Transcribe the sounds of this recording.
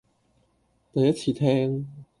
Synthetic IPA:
t̪a˨˩jɐ˥t͡ɕʰiː˨˩t̪ʰɛː˥ŋ

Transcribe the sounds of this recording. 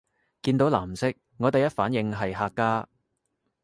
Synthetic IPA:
kiː˧nt̪o˨˥wlaː˨˩m̩˨sɪ˥k̚ | ŋɔː˨˧t̪e˨jɐ˥t̚faː˨˥njɪ˨˧ŋɦɐ˨jɦaː˧kːaː˥

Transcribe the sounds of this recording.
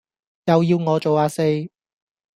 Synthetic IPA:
jɐ˨wjiː˧wŋɔː˨˧t͡ʃo˨waː˧se˧j

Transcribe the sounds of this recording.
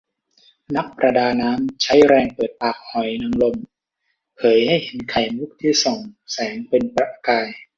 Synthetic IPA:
na˦˥k̚pɾa˧daː˧naː˦˥mt͡ɕʰa˦˥jɾɛː˧ŋpɤː˨˩t̪̚paː˨˩k̚hɔ˨˩˦jna˧ŋlo˧m | pʰɤː˩˦jha˥˩jhe˨˩˦nkʰa˨˩jmu˦˥˩k̚t̪ʰiː˥˩so˨˩ŋsɛː˩˦ŋpe˧npɾa˦˧˥ʔkaː˧j

